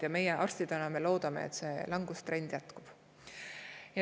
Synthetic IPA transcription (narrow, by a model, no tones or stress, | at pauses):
jɑme̞jeʔɑrst̪id̪̥enɑme̞lo̞ːd̪̥ɑmḛḛt̪se̞lɑŋɡust̪re̞nd̪̥jæt̪kub̥ | jɑ